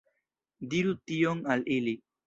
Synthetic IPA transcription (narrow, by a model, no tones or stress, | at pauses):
d̪iɾut̪ijoŋalili